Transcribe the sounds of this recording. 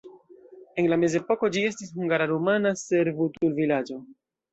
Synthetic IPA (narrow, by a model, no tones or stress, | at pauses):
e̞nlame̞ze̞po̞ko̞d͡ʒie̞stishuŋɡaɾaɾumanase̞ɾvutulvilad͡ʒo̞